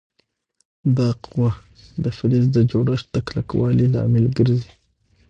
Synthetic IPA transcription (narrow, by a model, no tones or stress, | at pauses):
d̪aqwa | d̪əfɪlis̬d̪əd͡ʒoɽaʃt̪akla̰kwalila̰melɡəɾzi